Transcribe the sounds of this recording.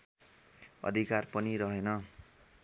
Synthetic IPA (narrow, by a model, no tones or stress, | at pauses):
ʌ̰d̪ʱikarpʌniɾʌɦenʌ